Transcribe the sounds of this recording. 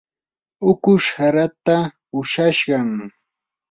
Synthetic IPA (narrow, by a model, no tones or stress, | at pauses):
ʊkʊʃhaɾat̪a | ʊʃaʃɢɑŋ